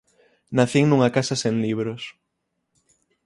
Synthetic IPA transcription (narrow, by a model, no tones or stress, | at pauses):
naθiŋnũŋakasasẽŋliβ̞ɾos